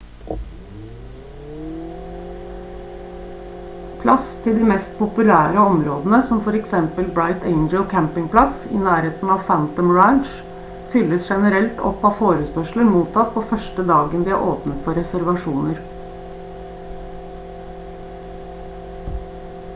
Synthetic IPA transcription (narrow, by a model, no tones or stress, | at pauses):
pʰlɑst̪ʰɪld̪iːmɛst̪̚pʰʊpʉlæːɾəɔmɾoːd̪n̩əsɔmfɔɾɛksɛmpəlbɾɑɪt̪eɪnd͡ʒəlkʰæmpɪŋpʰlɑsḭːnæːɾheːt̪n̩ɑːʋfænt̪ɔmɹænʃ | fʏlːəsʃɛnəɾɛlt̪ɔ̰pːɑːfoːɾəspœʂləɾmuːt̪ʰɑt̪̚pʰoːfœʂʈəd̪ɑːɡənd̪iːæ̰ʔoːpnət̪fɔɾɛsæɾʋɑʂuːnəɾ